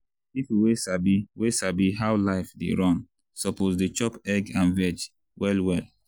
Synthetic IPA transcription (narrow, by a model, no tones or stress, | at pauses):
ifiwesabiwesabiɦawlaɪfdḛɹɔ̃n | sɔpozdet͡ʃɔpɛɡãnvɛd͡ʒ | wɛlwɛl